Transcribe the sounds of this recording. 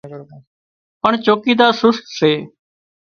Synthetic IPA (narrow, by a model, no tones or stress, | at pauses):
pəɳt͡ʃoːkiːd̪aːsʊst̪seː